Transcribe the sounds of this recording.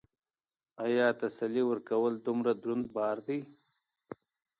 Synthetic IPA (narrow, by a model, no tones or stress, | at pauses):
ajɑːt̪asaliwəɾkawəld̪ʊmɾad̪ɾund̪̚bɑːɾd̪ij